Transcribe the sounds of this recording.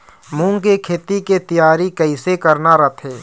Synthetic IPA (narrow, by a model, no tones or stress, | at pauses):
mũːŋkekʰeːt̪iket̪ijaːɾikɐɪsekɐɾnaɾɐt̪ʰeː